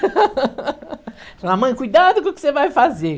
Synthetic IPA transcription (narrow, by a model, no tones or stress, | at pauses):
selamɐ̃j̃kujd̪ad̪ʊkõʊkɪ̥sevajfaze